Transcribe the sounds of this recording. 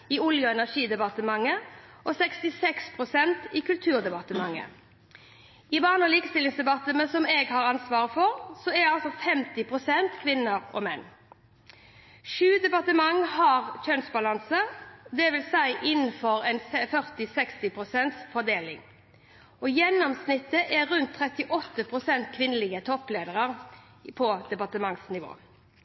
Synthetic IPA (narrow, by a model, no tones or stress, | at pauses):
ɪʊljəɛnæʂiːd̪ɛbɑt̪əmɑŋːəʔɔsɛkst̪ɪsɛkspʰʁʊsɛnt̪ikʉlt̪ʰʉːʁd̪ɛbɑt̪əmɑŋːə̰ | ɪbɑːʁnɔliːkə̥st̪ɪlɪŋsd̪ɛbɑt̪əmɛsɔmeːɡhɑʁɑnsʋɑːʁəfɔɾsɔɛɑlsɔfɛmt̪ɪpʰʁʊsɛnt̪kʰʋɪnːəɾɔ̰mɛnː | ʃʉːd̪ɛpɑt̪əmɑŋːhɑʁc͡çœnsbɑlɑnsəd̪ɛʋɪlsæɪʔɪnːəfɔɾɛnfœʁt̪ɪsɛkst̪ɪpʰʁʊsɛnt̪sfɔɾd̪eːlɪŋ | ɔjɛnːɔmsnɪt̪ːəʔɛʁʉnt̪ʰːʁɛt̪ɪʔɔt̪ːəpʰʁʊsɛnt̪kʰʋɪnːəlɪɡət̪ʰɔpleːd̪əʁəʁ | pʰɔd̪̥ɛpɑt̪əmɑŋsnɪʋo̰ː